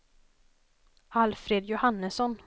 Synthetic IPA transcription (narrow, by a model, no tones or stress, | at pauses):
alfɾeːd̪jʊhanːəsɔn